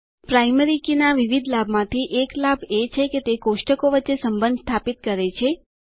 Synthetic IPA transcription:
pɾajmeɾikinaʋiʋid̪ʱlabmãt̪ʰiʔeklabet͡ʃʰeket̪ekoʃʈəkoʋətːʃesəmbənd̪st̪ʰapit̪kəɾet͡ʃʰe

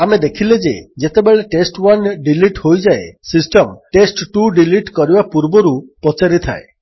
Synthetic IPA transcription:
amed̪ekʰiled͡ʒḛd͡ʒet̪ebeɭeʈesʈwanɖiliʈhojd͡ʒaesisʈɔmʈesʈʈuɖiliʈkɔɾibapuɾbɔɾupɔt͡ʃaɾit̪ʰa̰e

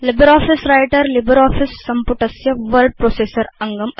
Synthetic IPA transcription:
lɪbɐɾaːfisɾɐjʈɐɾlɪbɐɾaːfisːɐmpʊʈːɐsjɐʋɐɾɖ̚pɾoːseːsɐɾɐŋɡɐm

